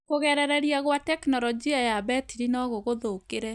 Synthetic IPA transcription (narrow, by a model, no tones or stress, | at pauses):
koɣɛɾɛɾɛɾiaɣwatɛknɔɾɔd͡ʒiajaβɛtiɾinɔɣoɣoðokeɾɛ